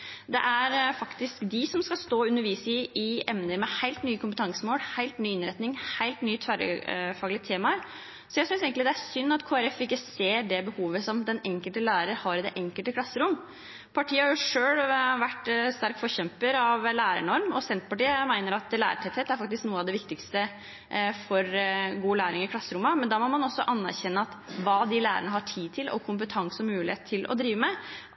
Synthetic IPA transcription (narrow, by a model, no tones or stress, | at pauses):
d̪ɛ̰ʔæɾfɑkt̪ɪskd̪ɪsɔmskɑlst̪oːʉnːəɾʋiːsɪʔɪɛmnəɾmɛhæɪlt̪nyːəkʊmpət̪ʰɑŋsəmoːlhæɪlt̪nyːɪnɾɛt̪nɪŋhæɪlt̪nyːət̪ʰʋæɾə̰fɑːɡlɪt̪ʰeːmɑəɾ | sɔjæɪsʏnseɪɡəɪd̪ɛæɾsʏnːɑt̪kʰoːæɾɛfɪkːəseːɖɛbəhuːʋəsɔmd̪ɛnɛŋkəlt̪əlæːɾəɾhɑɾɪd̪ɛ̰ʔɛŋkəlt̪əkʰlɑsːəɾʊmː | pʰɑʈʰiːəhɑɾjʊʂøːlʋæʈːst̪æɾkfɔɾçɛmpəɾɑʋlæːɾə̰ɳɔɾmɔsɛnt̪pɑʈiːəmæɪnəɾɑt̪læ̰ːɾəʈʰɛt̪hɛt̪æɾfɑk̚t̪ɪsknuːəɑʋd̪ɛʋɪkt̪ɪkst̪ə | fɔɾɡuːlæːɾɪŋɪkʰlɑsːəɾʊmːɑmɛnd̪ɑmɔmɑnɔsːɔʔɑnːæ̰ɾçɛnːəɑt̪ʋɑːd̪ɪlæ̰ːɾə̰ɳəɦɑʈʰiːd̪̚t̪ʰɪlʔɔ̰kʰʊmpət̪ʰɑŋsɔmʉːlɪheːt̪ʰːɪlʔɔ̰d̪ɾiːʋəmɛ